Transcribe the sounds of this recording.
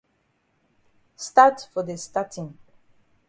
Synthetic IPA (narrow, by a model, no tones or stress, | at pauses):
statfɔðəstatʰĩŋ